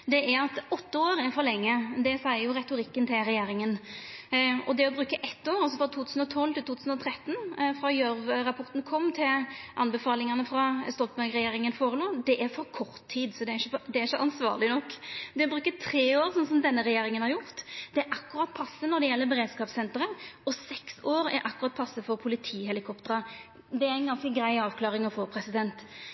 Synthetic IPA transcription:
d̪ɛʔæɾɑt̪ɔt̪ːəoːɾɛɾfɔɾlɛŋːəd̪ɛsæɪəɾjʊɾɛt̪ʊɾɪkːənt̪ʰɪlɾɛjeːɾɪŋən | ɔd̪ɛɔbɾʉːkːəʔɛt̪ːoːɾɑlsɔfɾɔt̪ʰuːt̪ʉːsn̩ɔt̪ʰɔlːt̪ɪlt̪uːt̪ʉːsnɔt̪ʰɾɛt̪ːnfɾɑjœɾʋɾɑpʰɔɾt̪n̩kʰɔmːt̪ʰɪlʔɑnbɛfɑːlɪŋɑnəfɾɑst̪ɔlt̪mbæɾkɾɛjeːɾɪŋənfoːɾəloːd̪ɛʔæɾfɔɾkʰɔɾt̪ʰːiːd̪sɔd̪ɛæɾɪːəfd̪ɛæɾɪçːəʔɑnsʋɑ̰ːʁlɪnɔkːd̪ɛɔbɾʉːkət̪ʰɾeːoːɾsɔnsɔmd̪ɛnːəɾɛjeːɾɪŋənhɑɾjʊʁt̪d̪̥ɛɛɾʔɑkːʉɾɑt̪̚ːpʰɑsːənɔɾd̪ɛjɛlːəbɛɾeːd̪skɑːpsɛnt̪əɾəɔsɛksoːɾɛ̰ɾʔɑkːʉɾɑt̪̚pʰɑsːəfɔɾpʰʊlɪt̪ʰiːɦɛlɪkʰɔpt̪əɾɑ | d̪ɛæɪnɡɑnskəɡɾæɪɑːʋkʰlɑːʁɪŋɔfoːpʰɾɛsɪd̪ɛnt̪

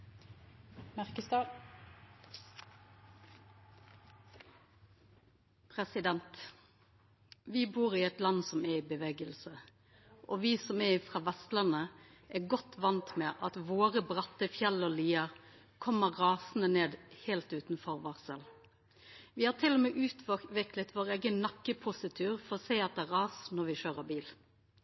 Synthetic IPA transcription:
mæʁkəst̪ɑ | pʰʁɛsɪd̪ɛnt̪ | ʋɪbuːʁiːɛt̪lɑnsɔmɛiːbəʋeːɡəlsə | ʔoːʋiːsɔmɛɪfʁɑːʋɛst̪ləʁnə | ʔæɡɔt̪ʋɑnt̪mɛːʔɑt̪ʋoːʁəbʁɑt̪ːəfjɛlːəɔliːəʁ | kʰɔməʁʁɑːsn̩əneːd̪heːlt̪ʉːt̪n̩fɔɾʋɑːʁsəl | ʋɪhɑːt̪ʰɪlɔmɛːʔʉːt̪ʰʋʋɪklət̪ʋoːʁeːɡənnɑkːəpʰʊsɪt̪ʰʉːʁfɔʁɔseɪɑt̪̚d̪ɛæːʁɑːsnɔɾʋɪʃøːʁəbiːl

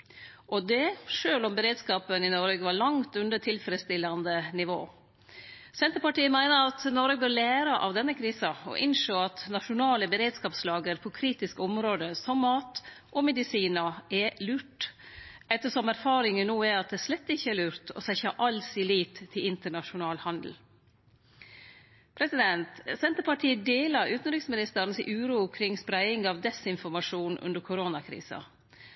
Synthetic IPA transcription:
ʔɔd̪ɛʂøːlɔmbəɾeːd̪skɑːpənɪnɔɾɡəʋɑɾɭɑŋt̪ʉnd̪əʈʰɪlfɾəst̪ɪlːɑnd̪ənɪʋoː | sɛnt̪əɾpɑʈiːəmæɪnəɾɑt̪nɔɾɡəbøːɾlæːɾɑʔɑ̰ʋd̪ɛnːəkʰɾiːsɑɔ̰ʔɪnʂoːɑt̪nɑʂʊnɑːləbəɾeːd̪skɑːpslɑːɡəɾpʰɔkʰɾiːt̪ɪskəɔmɾoːd̪əsɔmːɑːt̪ʔɔmɛd̪ɪsiːnɑɛlʉːʈ | ɛt̪ːəʂɔmæɾfɑːɾɪŋənuːæɑt̪̚d̪ɛʂlɛt̪ːɪçːəɛlʉːɾt̪ɔ̰sæɪçɑʔɑlsɪliːt̪ʰːɪlɪnt̪əɳɑʂʊnɑːlhɑnd̪l̩ | pʰɾɛsɪd̪ɛnt̪sɛnt̪əɾpɑʈʰiːəd̪eːlɑɾʉːt̪n̩ɾɪksmɪnɪst̪əɾnsɪʔʉːɾuːkʰɾɪŋspɾæɪɪŋɑʋd̪ɛsɪnfɔɾmɑʂuːnʔʉ̰nd̪əɾkʰʊɾoːnɑkʰɾḭːsɑ̰

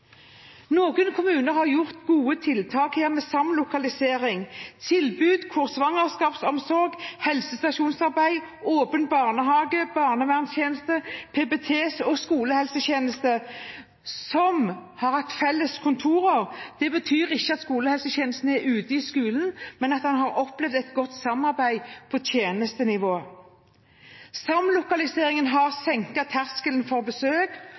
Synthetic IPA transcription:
noːɡənkʰʊmʉːnəɾhɑʁjʊʁt̪ɡuːət̪ʰɪlt̪ʰɑːkheːʁmɛːsɑmlʊkɑlɪseːʁɪŋt̪ʰɪlbʉːd̪kʰʊʁsʋɑŋəʁskɑːpsɔmsɔɾɡhɛlsəst̪ɑʂuːnsɑʁbæɪ | oːpənbɑːʁnəɦɑːɡəb̥ɑːʁnəʋæʁnsjeːnəst̪əpʰɛbɛt̪ʰeːsɔskuːləhɛlsəçeːnəst̪ə | sɔmhɑːʁɑkt̪fɛlːəskʰʊnt̪ʰuːʁɑʁd̪̥ɛbət̪ʰyːʁɪçːəɑt̪skuːləhɛlsəçeːnəst̪n̩æʁʉːt̪əɪskʉːlnmɛnɑt̪hɑnɦɑʁɔplɛʋd̪ɛt̪ɡɔt̪ːsɑmɑʁbæɪpʰɔt̪ʰjeːnəst̪ənɪʋoː | sɑmlʊkɑlɪseːʁɪŋənɦɑʁsɛŋkɑt̪ʰæʁskələnfɔʁbəsøːk

